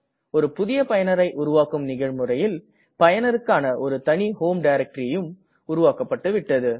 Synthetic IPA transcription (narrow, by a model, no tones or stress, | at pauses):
ɔɾɯpʊðɪjɐpɐjɐnɐɾɐɪʔʊɾʊʋaːkɯmnɪɣɐɻmɯrɐjɪl | pɐjɐnɐɾɯkːaːnɐʔɔɾɯt̪ɐɳihoːmɖɐɪɾɐk̚ʈɾijɯm | ʊɾʊʋaːkɐpːɐʈːɯʋɪʈːɐðɯ